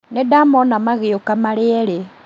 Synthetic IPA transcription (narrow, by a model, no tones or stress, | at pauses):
nedamɔnamaɣɪokamalɪɛɾe